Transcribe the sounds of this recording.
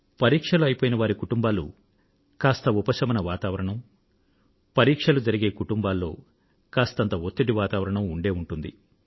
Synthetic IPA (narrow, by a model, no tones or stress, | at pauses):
pɐɾiːkʂɐluɐjipoːjinɐʋaːɾikuʈumbaːlṵ | kaːst̪ɐupɐʃɐmɐnɐʋaːt̪aːʋɐɾɐɳɐm | pɐɾiːkʂɐlud͡ʒɐɾiɡe̞ːkuʈumbaːlːo̞ː | kaːst̪ɐnt̪ɐot̪ːiʈiʋaːt̪aːʋɐɾɐɳɐmuɳɖe̞ːuɳʈund̪i